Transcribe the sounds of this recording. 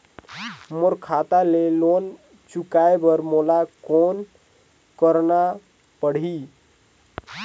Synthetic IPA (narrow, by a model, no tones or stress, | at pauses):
moɾkʰat̪alelon | t͡ʃukaebəɾmolakon | kəɾna | pəɽ̤i